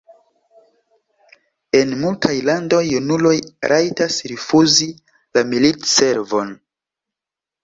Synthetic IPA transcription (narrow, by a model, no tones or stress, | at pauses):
e̞nmultʰajlando̞junulo̞jɾʔajtasɾifuzi | lamilitse̞ɾvo̞n